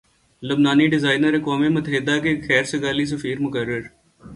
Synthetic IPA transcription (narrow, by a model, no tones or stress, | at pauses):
lʊbnaːniɖɪzaːɪnəɾɐkaːmemʊt̪əɦɪd̪akexɛːɾsɪɡaːlis̬ɐfiːɾmʊkəɾːəɾ